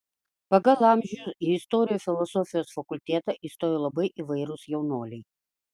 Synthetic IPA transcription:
pɐɡɐlˠɑˑmʲʒʲujʊsiɪst̪ɔːɾʲɪjuːfʲɪlˠɔsɔfʲɪjoːsfɐkʊlʲt̪ʲeːt̪ɐʔiːˑst̪oːjoːlˠɐbɐɪʔiʋɐɪɾʊsjɛʊnoːlʲɛɪ

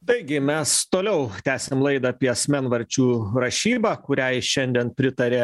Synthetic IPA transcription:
t̪ɐɪɡʲɪmʲɛst̪oːlʲɛʊt̪ʲæːsʲemlˠɐɪd̪ɑːpʲiɛɐsʲmʲænʋɐɾʲt͡ʃʲuːɾɐʃʲiːbɑːkʊɾʲæʃʲɛnʲd̪ʲiɛnpʲɾʲɪt̪ɐɾʲeː

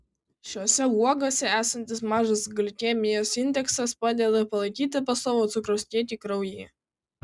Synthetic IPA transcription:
ʃʲoːsʲɛuɔɡoːsʲɛæːsɐnʲt̪ʲɪsmɑːʒɐsɡɐlʲt̪ʲeːmʲɪjoːsɪnʲd̪ʲɛksɐspɑːd̪ʲeːd̪ɐpɐlˠɐɪkʲiːt̪ʲɪpɐsɔʋoːt̪sʊkɾɐʊsʲt̪ʲiɛt̪ʲiːkɾɐʊjeː

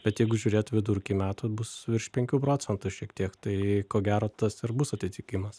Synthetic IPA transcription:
bʲɛt̪jɛɪɡʊʒʲuːɾʲeːt̪ʋʲɪd̪ʊɾʲkʲimʲæːt̪ʊbʊsʋʲɪɾʃʲpʲɛŋʲkʲuːpɾoːt͡s̪ʲɛnt̪ʊʃʲiɛkt̪ʲiɛkt̪ɐɪkoːɡʲæːɾoːt̪ɐsɪɾbʊsɐt̪ʲɪt̪ʲɪkʲɪmɐs

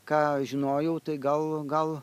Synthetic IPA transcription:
kɑːʒʲɪnoːjɛʊt̪ɐɪɡɐlˠɡɐlˠ

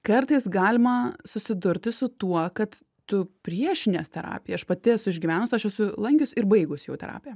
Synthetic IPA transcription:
kɐrt̪ɐɪsɡɑːlʲɪmɐsʊsʲɪd̪ʊɾʲt̪ʲɪsʊt̪uɔkɐt̪ | t̪ʊpʲɾʲiɛʃʲɪnʲeːst̪ʲɛɾɑ̰ːpʲɪjɛɐʃpɐt̪ʲɪɛsʊɪʒʲɡʲɪʋʲænʊsʲɐʃɛsʊlˠɐŋʲkʲʊsʲɪɾbɐɪɡʊsjɛʊt̪ʲɛ̰ɾɑ̰ːpʲɪjɛ

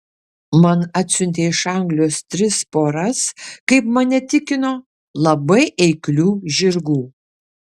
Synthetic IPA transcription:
mɐnɑːt̪ʲsʲʊnʲt̪ʲeːɪʃɐˑŋɡlʲoːst̪ʲɾʲɪspoːɾɐskɐɪpmɐnʲɛt̪ʲɪkʲɪnoː | lˠɐbɐɪʔɛɪklʲuːʒʲɪɾɡuː

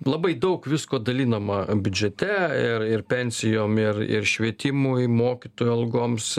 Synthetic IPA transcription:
lˠɐbɐɪd̪ɐʊkʋʲɪskoːd̪ɐlʲiːnɐmɐbʲʊd͡ʒʲɛt̪ʲɛɪrɪrpʲɛnʲsʲɪjoːmɪrɪ̰rʃʲʋʲiɛt̪ʲɪmʊɪmoːkʲit̪oːjʊɐlˠɡoːms

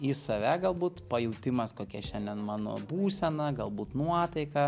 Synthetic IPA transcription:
isɐʋʲæɡɐlˠbuːt̪pɐjɛʊt̪ʲɪmɐskoːkʲɛʃʲɛnʲd̪ʲɛnmɑːno̰ːbuːsʲɛnɐɡɐlˠbuːt̪nuɔt̪ɐɪkɐ

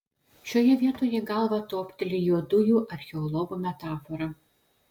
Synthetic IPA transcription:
ʃʲoːjɛʋʲiɛt̪oːjɛɡɐlˠʋɐt̪oːpʲt̪ʲɛlʲɪjuɔd̪ʊjuːʔɐɾʲxʲɛɔlˠɔɡumʲɛt̪ɑːfɔɾɐ

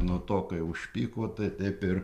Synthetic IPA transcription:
nʊt̪oːkɐɪʊʃʲpʲiːkoːt̪ɐɪt̪ʲɐɪpɪr

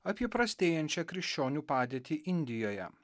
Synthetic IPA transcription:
ɐpʲiɛpɾɐsʲt̪ʲeːjɛnʲt͡ʃʲɛkɾʲɪkʃʲt͡ʃʲoːnʲuːpɑːd̪ʲeːt̪ʲiːʔɪnʲd̪ʲɪjoːjɛ̰

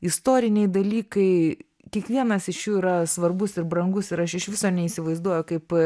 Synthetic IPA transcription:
ɪst̪oːɾʲɪnʲɛɪd̪ɐlʲiːkɐɪ | kʲiɛkʋʲiɛnɐsɪʃjuːiɾɐsʋɐrbʊsɪɾbɾɐŋɡʊsɪɾɐʃɪʃʋʲɪsoːnʲɛiːsʲɪʋɐɪzd̪uɔjʊkɐɪp

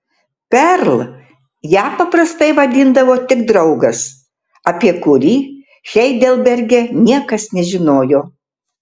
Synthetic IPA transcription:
pʲɛɾlˠ | jæːpɐpɾɐst̪ɐɪʋɐd̪ʲɪnd̪ɐʋoːt̪ʲɪɡd̪ɾɐʊɡɐs | ɐpʲiɛkʊɾʲiː | xʲɛɪd̪ʲɛlˠbʲɛɾʲɡʲɛnʲiɛkɐsnʲɛʒʲɪnoːjoː

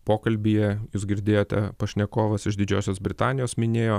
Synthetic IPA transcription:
poːkɐlʲbʲijɛjuːsɡʲɪɾʲd̪ʲeːjoːt̪ʲɛ̰pɐʃʲnʲɛkoːʋɐsɪʃd̪ʲɪd͡ʒʲoːsʲoːsbʲɾʲɪt̪ɑːnʲɪjoːsmʲɪnʲeːjoː

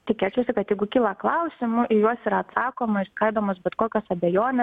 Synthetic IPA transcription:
t̪ʲɪkʲeːt͡ʃʲɛʊsʲɪkɐt̪jɛɪɡʊkʲiːlˠɐklˠɐʊsʲɪmʊʔɪjuɔsiɾɐɐt̪sɑːkoːmɐɪɾskɐɪd̪oːmoːsbʲɛt̪koːkʲoːsɐbʲɛjoːnʲɛ

